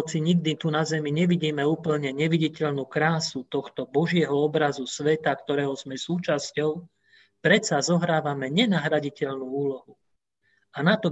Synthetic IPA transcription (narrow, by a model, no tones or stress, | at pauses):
t͡siɲiɡd̪it̪unazɛmiɲɛʋiɟiːmɛuːpl̩ɲɛɲɛʋiɟicɛʎnuːkɾaːsut̪ɔxt̪ɔbɔʒɪɛɦɔɔbɾazusʋɛt̪akt̪ɔɾɛːɦɔzmɛsuːt͡ʃascɔʊ | pɾɛt͡sazɔɦɾaːʋamɛɲɛnaɦɾaɟicɛʎnuːuːlɔɦu | anat̪ɔ